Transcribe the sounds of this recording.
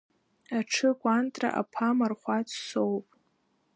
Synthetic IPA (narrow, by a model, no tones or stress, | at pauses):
aʈ͡ʂʰɨɡʷantʼra̰ʔa̰pʰamarχʷat͡sʰsowpʼ